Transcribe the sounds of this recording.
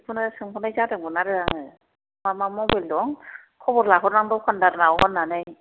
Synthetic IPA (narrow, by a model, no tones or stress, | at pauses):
pʰɯnɯsɯŋpʰɔnajzadɯŋbɔnaɾɯɾaŋɯ | mamamɔbeldɔŋ | kʰɔbɔɾlaɦɔɾnaŋdɔwpʰandaɾɯnaɔɦɔnːanɯj